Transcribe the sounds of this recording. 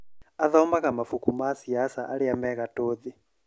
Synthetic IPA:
aðaumbakamafukʰumasiasaʔaɺiamɛkatʼoːd̪i

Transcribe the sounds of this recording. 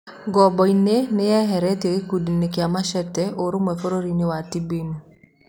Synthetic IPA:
ɡɔbɔinenɪjɛɦɛɾɛteekudinɪkjamaʃɛtːɛʔoɾumɛfɔɾoɾinɪwatːibinu

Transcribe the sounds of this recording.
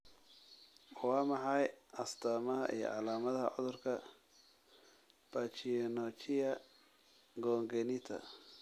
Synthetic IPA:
wɑːmɑħɑjʔɐst̪ʰaːmɐɦɐʔḭjɔ̰ʕɑlaːmɐðɐhɐ̰ʕɔðʊrkʰɐ | b̥aːt͡ʃinɔt͡ʃɪjɐ | ɡɔːŋɡɛnit̪ʰɐ̰

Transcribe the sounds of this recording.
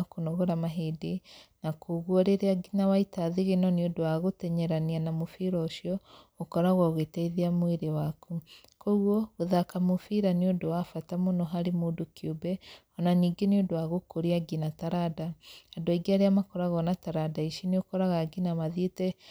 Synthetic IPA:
akonɔɣoɾamaɦedenakʰoɣwɔɾeɾeaɡinawaitaðeɣenɔniodowaɣotɛɲɛɾanianamofiɾɔoʃiɔokɔɾaɣwaɣetɛiðeamweɾewaku | koɣwɔɣoðakamofiɾaneodowafatamonɔɦaɾemoːdokjobɛɔnaniːɡeneodowaɣokoɾiaɡinataɾadaadoaiɡiaɾeamakɔɾaɣɔnataɾadaiʃineokɔɾaɣaɡinamaðetɛ

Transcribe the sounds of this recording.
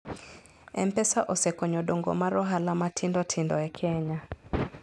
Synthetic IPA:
ɛm̩pɛsaʔɔsɛkɔɲɔɗoŋɡo̰maɾɔɦalamatʰɪndɔtʰɪndɔɛkʰɛɲa

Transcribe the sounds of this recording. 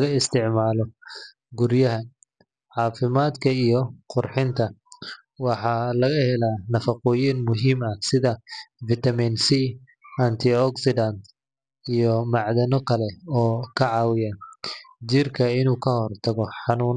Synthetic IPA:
ɣɐɪst̪ʰɪʕmaːlɔ | ɡʊɾjɐɦɐ | ʕɑːfɪmaːd̪kʰɐijɔqʊrħɪnt̪ʰɐ | wɑħɑːlɐɣɐhɛlaːnɐfɐqɔːjinmʊɦiːmɐsɪðɐvɪt̪ɐminsi | ɐnt̪ʰɪɔksɪdɐnt̪ | ijɔmɑʕd̪ɐnɔkʰɐlɛɔːkʰɐʕɑːwɪjɐ | d͡ʒɪrkʰɐɪnuːkʰɐhɔrt̪ʰɐɣɔħɑnuːn

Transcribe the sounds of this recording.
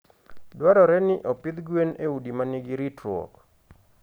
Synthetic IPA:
dwaɾɔɾɛnɪʔɔpɪd̪ɡweneudimanɪɡɪɾitɾwɔ̰k

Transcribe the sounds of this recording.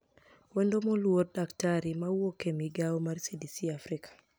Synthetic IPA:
wɛndomɔlwot̚daktaɾimawokemiɡaomarsidisiafɾɪkʰḁ

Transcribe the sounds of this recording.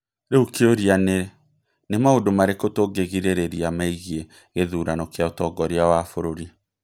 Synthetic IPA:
ɾeukeoɾiane | nemaodomaɾekotoɡeɣiɾeɾeɾiamaiɣie | ɣeðuːɾanɔkeaotɔɡɔɾeawafoɾoɾi

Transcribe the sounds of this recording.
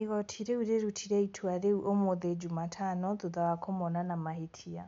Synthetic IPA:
iɣɔtʰiɾeuɾeɾutʰiɾɛitʰwaɾeuʔomoðed͡ʒumatʰanɔðoðawakʰomɔnanamahetʰia̰

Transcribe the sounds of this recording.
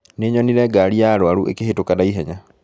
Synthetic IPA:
neːɲɔniɾɛɡaɾiaɾwaɾuʔḛkehetokadaiɦɛɲa

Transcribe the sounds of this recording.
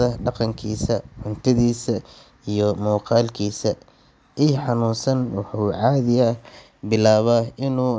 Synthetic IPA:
ɐɖɑqɑŋkʰiːsɐʕʊnt̪ʰɐðiːsɐ | ijɞmɔːqɑːlkʰiːsɐ | ʔiːħɑnuːsɐnwɑħuːʕɑːðɪjɐ | bɪlaːβɐʔɪnuː

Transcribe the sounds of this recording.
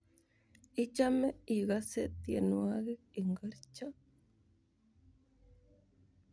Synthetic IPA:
it͡ʃameiɣaset̪jenuaɣeiŋɡaɾt͡ʃa

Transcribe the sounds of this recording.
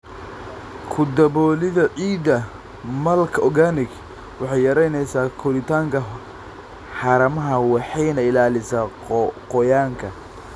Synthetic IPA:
kʰʊd̪ɐβɔːlɪðɐʕiːd̪ɐ | mɐlkʰɔɡanɪɡ | wɑħɑjɐɾɛjnɛjsaːkʰʊlɪt̪ʰaːŋkʰɐ | ħɑɾɐmɐɦɐwɑħɑjnɐɪlaːlɪsaː | qɔjaːŋkʰɐ

